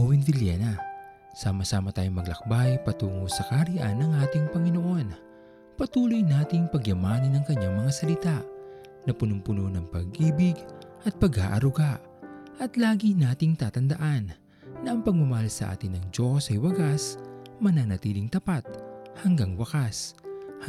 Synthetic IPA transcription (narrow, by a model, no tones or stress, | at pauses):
owɪnd̪ɪljɛ̰nɐ | saːmɐsaːmɐt̪aːjoŋmɐɡlɐk̚bajpɐt̪uːŋosɐkɐɾiʔa̰nːɐŋʔaːt̪ɪŋpɐŋɪno̞ʔo̞n | pɐt̪uːlojnaːt̪ɪŋpɐɡjɐmaːnɐnɐŋkɐɲːaŋmɐŋasɐlɪt̪aʔ | nɐpʊnʊŋpʊnonɐŋpɐɡʔiːbɪɡʔɐt̪̚pɐɡha̰ːʔɐɾʊɡaʔ | ʔɐt̪laːɡinaːt̪ɪŋt̪aːt̪ɐnd̪ɐʔanː | ɐʔɐŋpɐɡ̚mʊmɐhalsɐ̰ʔa̰ːt̪ɪnːɐŋd͡ʒo̞sɐjwɐɡasmɐnanɐt̪iːlɪŋt̪ɐpat̪̚hɐŋɡaŋwɐkas